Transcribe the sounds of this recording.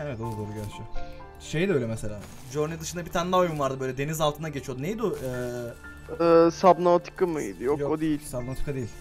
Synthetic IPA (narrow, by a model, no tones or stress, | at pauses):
evɛt̪oɾud̪oːɾuɟælʲt͡ʃʰyjo | ʃe̞jd̪iøjlʲɛmɛse̞lʲa̰ː | d͡ʒoɾnid̪ɯʃɯnd̪abit̪ʰaːnd̪aojunvaɾd̪ɯbøjlʲɛd̪e̞nizalˠt̪ʰɯnaɟe̞t͡ʃʰijo̞d̪unejid̪uɛː | ɛsabnat̪ʰi̥kɯmɯḭd̪ijokjood̪ejilʲsabnaot̪i̥kʰːad̪eilʲ